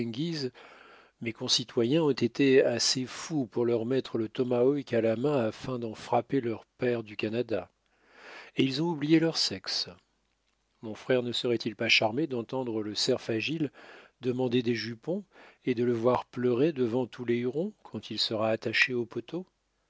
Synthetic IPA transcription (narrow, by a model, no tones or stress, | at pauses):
ɡʲiz | mekɔ̃sit̪ʰwajɛ̃ɔ̃t̪et̪easefupuʁlœʁmɛt̪χələt̪ɔmaɔjkʲalamɛ̃afɛ̃d̪ɑ̃fχapelœʁpɛʁd̪ykʲanad̪a | eilzɔ̃ublijelœʁsɛks | mɔ̃fχɛʁnəsəʁɛt̪ʰilpaʃaʁmed̪ɑ̃t̪ɑ̃d̪ʁələsɛʁfaʒild̪əmɑ̃d̪ed̪eʒypɔ̃ed̪ələvwaʁplœʁed̪əvɑ̃t̪ʰuleyʁɔ̃kʰɑ̃t̪ʰilsəʁaːt̪aʃeopɔt̪ʰo